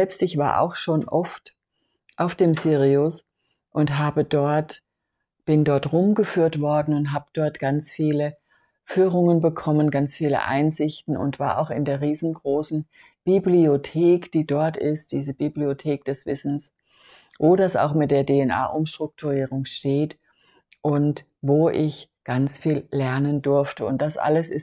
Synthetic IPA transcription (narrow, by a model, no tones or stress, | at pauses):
zɛlpstɪçv̥a̰ːɐʔa̰ʊxʃoːnʔɔft | ʔaʊfd̥eːmzyːʁiʊs | ʔʊntɦaːbədɔɐt | b̥ɪndɔɐtʁʊmɡəfyːɐtv̥ɔɐdn̩ʊntɦaːbəd̥ɔɐtɡ̥ant͡sfiːlə | fyːʁʊŋənbəkʰɔmənɡant͡sfiːlə̰ʔa̰ɪnzɪçtn̩ʊ̰ntv̥aːɐʔa̰ʊxɪndeːɐʁiːzn̩ɡʁoːsn̩ | b̥ibliotʰeːkd̥iːdɔɐtɪst̚d̥iːzəbibliotʰeːk̚d̥ɛsv̥ɪsn̩s | voːdasa̰ʊxmɪt̚d̥eːɐdeːɛnʔa̰ːʔʊmʃtʁ̥ʊk̚tʰuʁiːʁʊŋʃteːt | ʔʊnt | voːʔɪçɡ̥ant͡sfiːlːɛɐnəndʊɐftəʊnt̚d̥asʔa̰ləsɪs